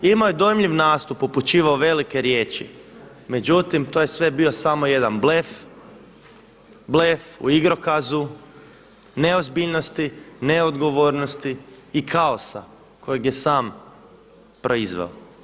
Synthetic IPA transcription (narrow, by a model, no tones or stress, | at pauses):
imaojed̪ojemʎiʋnaːst̪upuput͡ʃiːʋaoʋe̞like̞ɾje̞ːt͡ʃḭ | me̞d͡ʒut̪imt̪oːjesʋe̞bio̞samo̞je̞d̪anblef | blefṵiɡɾo̞kazu | ne̞ozbiʎno̞st̪ine̞od̪ɡo̞ʋoːɾno̞st̪iː | kʰaosa̰ | ko̞jeɡje̞saːm | pɾʔo̞izʋḛo